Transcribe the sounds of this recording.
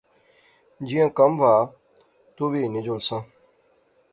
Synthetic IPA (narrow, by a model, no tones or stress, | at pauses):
d͡ʒijãːkəmʋaː | t̪uːʋiːnɪd͡ʒolsãː